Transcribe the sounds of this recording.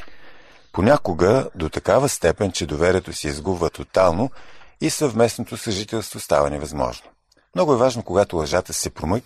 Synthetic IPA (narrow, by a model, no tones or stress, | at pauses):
ponʲakʊɡəd̪ot̪ɐkavəst̪ɛpɛnt͡ʃɛd̪ovɛɾʲiɛt̪osiizɡubvət̪ot̪alˠnoisəvmɛsnot̪osəʒit̪ɛlˠst̪vost̪a̰vənɛvɐzmɔ̰ʒno | mnɔɡʊɛvaʒnokoɡat̪ʊlˠɐʒat̪əsɛpɾomɤk